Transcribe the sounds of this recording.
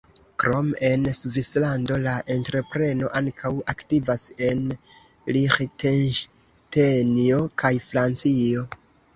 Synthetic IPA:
kɾo̞me̞nsuvislando̞laʔe̞ntɾe̞pɾe̞no̞ʔaŋkʰawaktivase̞n | liχtʰenʃ | tenio̞kʰajfɾant͡sio̞

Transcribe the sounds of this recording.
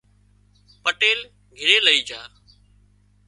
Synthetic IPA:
pəʈeːl | ɡʱɪɾeːləiːd͡ʒaː

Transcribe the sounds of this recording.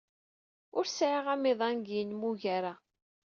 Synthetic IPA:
ʊɾsʕiʁæmɪðˤænɡjənmuʝaɾa

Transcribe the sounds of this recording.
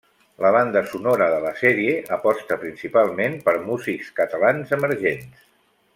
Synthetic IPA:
ləβ̞and̪əsunoɾəðələsɛɾieʔəpɔst̪əpɾinsipalˠmenpəɾmuzikskət̪əlanzəməɾʒens

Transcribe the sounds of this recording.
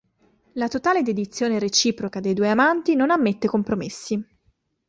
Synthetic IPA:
lat̪ot̪aːled̪ed̪it̪sːjoːneɾet͡ʃiːpɾokad̪ejd̪ueamant̪inonamːet̪ːekompɾomesːi

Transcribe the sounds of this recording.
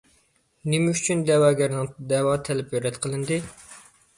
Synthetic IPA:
nemɛyt͡ʃʰynd̪ɛwɑːɡʲɛɾnɨŋd̪ɛwɑːt̪ʰɛlɛpjøɾɛt̪qʰəlˠɨnd̪ɨ

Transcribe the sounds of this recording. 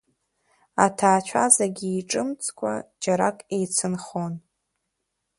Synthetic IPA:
a̰tʰaːt͡ʃʷʰazaɡʲiːʈ͡ʂʼɨmt͡sʼkʷʼa̰d͡ʒaɾakʼejt͡sʰɨnχon

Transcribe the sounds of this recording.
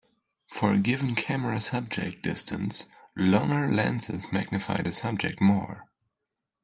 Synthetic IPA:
fə˞ɨɡɪṽnkʰæməɹɨsʌb̚d͡ʒɛ̰k̚d̥ɪ̰stʰɨ̃nslɔ̃ŋə˞læ̃nsɪ̰zmæɡ̚nɨfa̰ɪdɨsʌb̚d͡ʒɨk̚t̚mɔ̰ɹ

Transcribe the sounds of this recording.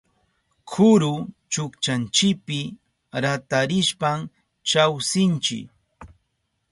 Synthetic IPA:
kʰʊɾʊt͡ʃʊkt͡ʃant͡ʃɪk̚pɪ | ɾat̪aɾɪʃpam | t͡ʃawsɪnt͡ʃɪ̰k

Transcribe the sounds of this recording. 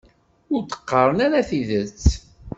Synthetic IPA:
ʊɾt̪ə̥qːəɾˤənaɾaθiðət͡sː

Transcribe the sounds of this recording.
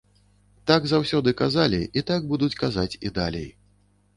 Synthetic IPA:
t̪aɡzawsʲɔd̪ɨkazalʲiʔit̪aɡbud̪ut͡sʲkazat͡sʲid̪a̰lʲḛj

